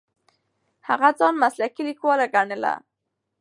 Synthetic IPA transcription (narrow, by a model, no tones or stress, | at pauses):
haɣad͡zɑnmaslakilikwɔlaɡaɳəla̰